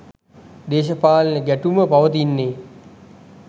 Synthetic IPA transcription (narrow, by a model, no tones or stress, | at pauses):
d̪eːɕəpaːlnəɡæʈuməpaʋət̪̬inːeː